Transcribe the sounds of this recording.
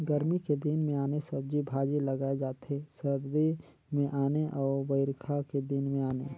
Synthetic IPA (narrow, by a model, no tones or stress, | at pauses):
ɡəɾmiked̪inmẽaːnesɐb̚d͡ʒibʱaːd͡ʒelɐɡaːed͡ʒaːt̪ɦesɐɾd̪e | mẽʔaːneʔɔːʋəɪɾkʰaked̪ɪnmẽaːneː